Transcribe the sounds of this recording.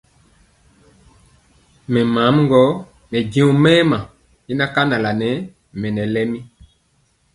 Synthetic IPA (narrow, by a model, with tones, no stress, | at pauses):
mɛ˨maː˨˦m˦ŋ˦ɡɔ˨˦ | mɛ˨ɟĩ˦ũ˨mɛː˦ma˨ | i˦na˦ka˦na˨la˨nɛ˨˦ | mɛ˨nɛ˨lɛ˦mi˦